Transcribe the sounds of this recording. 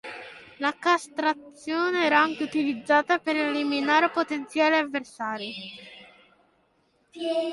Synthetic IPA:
lakast̪ɾat̪sːjoːneɛːɾaaŋk̟eut̪ilid̪zːaːt̪apeɾeliminaːɾepot̪ent̪sjaːleavːersaːɾi

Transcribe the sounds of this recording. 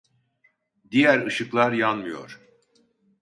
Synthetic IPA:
d̪ijæɾɯʃɯklˠaɾjanmɯjo̞̰ɾ̥

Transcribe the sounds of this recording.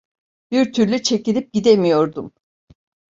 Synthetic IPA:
b̥iɾt̪ʰyɾlʲyt͡ʃʰe̞cilʲip̚ɟid̪emijo̞ɾd̪um

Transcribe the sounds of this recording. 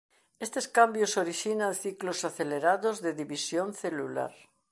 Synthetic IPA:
est̪eskambjosoɾiʃinãnθiklosaθeleɾaðozðeðiβisjonθelula̰ɾ

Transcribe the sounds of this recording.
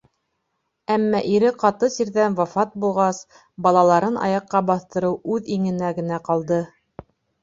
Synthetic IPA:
æmːæʔiɾɘqɑt̪ɤsiɾðænwɑfɑt̪̚bulˠʁɑs | bɑlˠɑlˠɑɾɤnʔɑ̰jɑqːɑbɑθt̪ɤ̆ɾɤwʉðiŋɘ̆næɡɘ̆næqɑlˠd̪ɤ

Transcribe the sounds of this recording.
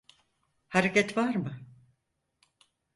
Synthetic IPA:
haɾecɛt̪vaɾmɯ

